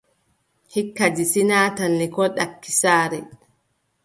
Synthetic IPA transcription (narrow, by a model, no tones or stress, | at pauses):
hikːad͡ʒisinaːtanːɛkɔɗakːisaːɾɛ